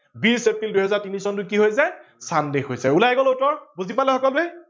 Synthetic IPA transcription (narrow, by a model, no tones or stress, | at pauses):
biɹsepɹilduɦɛzaɹtinisɔntʊkiɦojsɛsandexojsɛulajɡɔlutɔɹbuzipalɛxɔkɔlbɛ